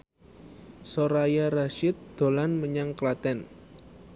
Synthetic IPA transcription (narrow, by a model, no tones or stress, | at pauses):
soɾajaɾaʃɪt̪̚d̪̥o̤lanməɲaŋklat̪ɛn